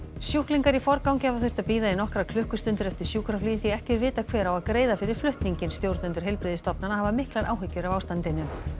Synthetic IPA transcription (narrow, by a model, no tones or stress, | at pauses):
sjuhkliŋkaɾifɔɾkawŋcɪhavaθej̥t̪aðpiːðaðɪnɔhkɾakʰlʏhkʏst̪ʏnt̪ʏɾɛft̪ɪɾ̥sjuhkɾafliːðθiɛhcɛɾvɪːt̪akʰvɛːɾawaðkɾeːjðafɪɾɪɾ̥flʏht̪niɲcɪnst̪jowɾt̪ʏnt̪ʏɾ̥ɦɛjlpɾɪːðɪst̪ɔpnanahavamɪhklaɾʔa̰ːwɦʏcːʏɾavaːwst̪ant̪ɪnːʏ